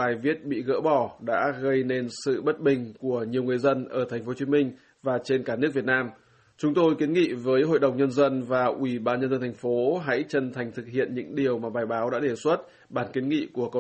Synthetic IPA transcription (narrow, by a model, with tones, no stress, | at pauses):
aː˨˩jvi˦˥ət̚ɓḭ˧˨ɣə̰ː˧˥ɓɔ˧˩ɗa̰ː˧˥ɣə˧jne˧nsɨ̰˧˨ɓə˦˥t̚ɓï˨˩ŋ̟ku˧˩əɲi˨˩əwŋɨ˨˩əjzə˧nʔəː˧˩t̪ʰa˨˩ŋ̟fo˨˦t͡ɕi˨˦mï˧ŋ̟ | vaː˨˩t͡ɕe˧nkaː˧˩nɨ˦˥k̚vi˨˩ət̚naː˧m | t͡ɕʊ˨˦ŋ͡mt̪o˧jki˨˦ənŋḭ˧˨vəː˨˦jɦo̰˧˨jɗə˨˩wŋ͡mɲə˧nzə˧nvaː˨˩ʔwi˧˩ɓaː˧nɲə˧nzə˧nt̪ʰa˨˩ŋ̟fo˨˦ɦa̰˧˥jt͡ɕə˧nt̪ʰa˨˩jŋ̟t̪ʰɨ˨˩k̚hḭ˧˨ənɲɨ̰˧˥ŋɗi˨˩əwmaː˨˩ɓaː˨˩jɓaː˨˦wɗa̰ː˧˥ɗe˧˩swə˦˥t̚ | ɓaː˧˩nki˨˦nŋḭ˧˨ku˧˩əkə˧˨